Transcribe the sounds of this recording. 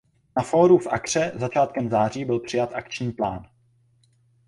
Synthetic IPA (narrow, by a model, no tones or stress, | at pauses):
nafoːɾufʔa̰kr̝̥ɛzat͡ʃaːt̪̚kɛmzaːr̝iːbɪlpr̥ɪjat̪ʔakt͡ʃɲiːplaːn